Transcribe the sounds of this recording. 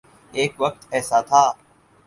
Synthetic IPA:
eːkʋək̚t̪ɛːsat̪ʰaː

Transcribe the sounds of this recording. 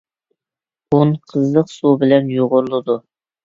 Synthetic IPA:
unqʰəzlˠəqsubɪlɛnjoʁʊɾlˠʊd̪u

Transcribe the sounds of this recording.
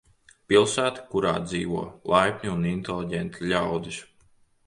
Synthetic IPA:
pilˠsæːt̪i̥kuɾa̰ːd̪zḭːʋuɔlˠajpʲɲʲuunint̪elˠiɟʲɛnt̪ʰiʎʲawd̪is

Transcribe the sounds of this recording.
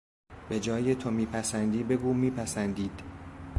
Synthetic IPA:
be̞d͡ʒɒːjet̪ʰomiːpʰæsænd̪iːbe̞ɡuːmiːpʰæsænd̪iːd̪̥

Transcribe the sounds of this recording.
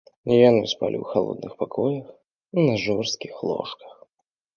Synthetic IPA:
nʲjanɨspa̰lʲḭwxalˠɔ̰d̪̚nɨxpakʰɔjɐx | nɐʐɔrst̪̚kʲixlˠɔ̰ʂkɐ̥x

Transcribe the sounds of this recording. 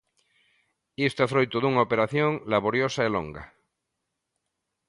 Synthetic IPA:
ist̪efɾojt̪oðuŋaopeɾaθjõŋlaβoɾjosaelo̰ŋɡa̰

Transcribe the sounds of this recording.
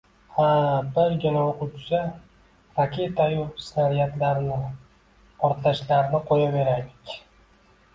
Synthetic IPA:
habɪɾɡʲɪnaoqʊt͡ʃt͡ʃa | ɾakʲʰe̞t̪ʰajusnaɾijat̪laɾnɪ | pʰɒɾt̪laʃlaɾɪnɪqʰojave̞ɾajlɪkʲ

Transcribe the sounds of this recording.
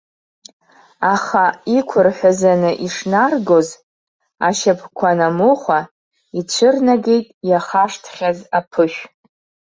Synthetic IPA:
aχaikʷʰʊrħʷᶣazanɨʔiʂnarɡo̞z | aʃapʰkʷʰanamuχʷa | it͡ɕʷʰɨrnaɡe̞jtʼjaχaʂtʰχʲazapʰɨʃʷᶣ

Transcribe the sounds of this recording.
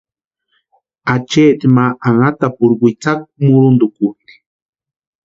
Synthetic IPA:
at͡ʃet̪maʔaŋat̪apʊɾɡʷijt͡sak̚muɾʊnd̪ʊkut̪i̥

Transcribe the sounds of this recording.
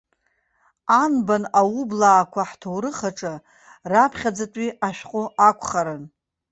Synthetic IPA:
anbanawublaːkʷʰaħtʰowɾɨχaʈ͡ʂʼa | rapʰχʲad͡zatʼiaʃᶣqʼoakʷʰʼχaɾan

